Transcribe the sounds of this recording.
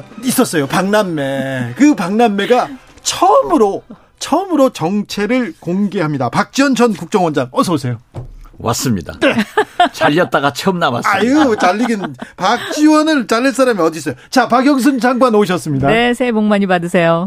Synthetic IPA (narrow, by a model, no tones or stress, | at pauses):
is͈ʌs͈ʌjopaŋnanːe̞kɯpaŋnanːe̞ɡa | t͡ɕʰʌmɯɾo | t͡ɕʰʌmɯɾot͡ɕʌŋt͡ɕʰe̞ɾɯɭkoŋɡe̞ɦamɲidapak̚t͡ɕ͈iwʌnt͡ɕʰʌnkuk̚t͡ɕ͈ʌŋwʌnd͡ʑaŋʌsʰʌsʰe̞jowʔa̰s͈ɯmɲida̰net͡ɕaʎːʌt̚t͈aɡat͡ɕʰeɯmnawa̰s͈aiɯt͡ɕaʎːiɡinpak̚t͡ɕ͈iwʌnɯɭt͡ɕaɭːes͈aɾamiʌdis͈ʌjot͡ɕapaɡjʌŋs̬ʰɯnd͡ʑaŋɡwanoɕ̬ʰʌs͈ɯmɲidaesʰeboŋmaɲibadɯs̬ʰe̞jo